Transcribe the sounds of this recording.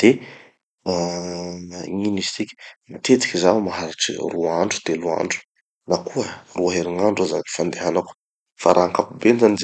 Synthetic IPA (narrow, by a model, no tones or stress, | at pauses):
d̪̥e | ɲinizi̥t͡sikʲi̥mat̪et͡si̥kʲizamaɦaɾaʈ͡ʂḭruaɳɖ͡ʐu̥d̪̥elua̰ɳɖ͡ʐu̥ | nakʰuəruaɦeɾiŋaɳɖ͡ʐuazaifand̪eɦanaku̥ | faɾʔaɦaŋkapubenzaniz